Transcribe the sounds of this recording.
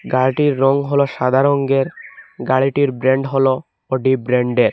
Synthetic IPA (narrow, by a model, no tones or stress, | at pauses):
ɡaɭiʈiɾːɔŋɦoloʃad̪ʱaɾoŋɡeɾɡaɭiʈiɾbɾeɳɖɦolo | oɖibɾeɳɖeɾ